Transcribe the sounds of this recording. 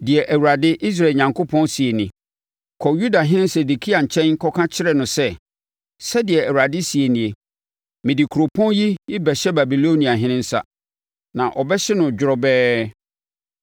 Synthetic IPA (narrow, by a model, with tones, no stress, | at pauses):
dɪ˨ɛ˨ʔæ˨wu˨ɾa˨dɪ˦ʔi˦s̬ɾa˨ɲã˨ŋkʰʊ˦pʰɔ̃˦nsi˨e˨nɪ̃˨ | kʰɔ˨ju˦da˨ɦɪ̃˦nɪ̃˦n˦sɛ˨du˨kʰi˦a˨ɲ̩˨t͡ɕʰɛ̃˦ŋ̩˦kʰɔ˦kʰã˦t͡ɕʰɪ˦ɾɛ˨nʊ̃˨sɛ˦ | sɛ˦dɪ˨ɛ˨æ˨wu˨ɾa˨dɪ˦si˨e˨nĩ˨e˨ | mɪ̃˨dɪ˨kʰu˨ɾo˨pʰɔ̃˦nji˦jɪ˦bɛ˨ɕɛ˦ba˨bi˨lo˦nĩ˨a˨ɦɪ̃˦nɪ̃˦n̩˦sa̰˦ | nã̰˨ʔɔ˨bɛ˦ɕɛ˦nʊ̃˨d͡ʑᶣɪ˦ɾɔ˦bɛː˦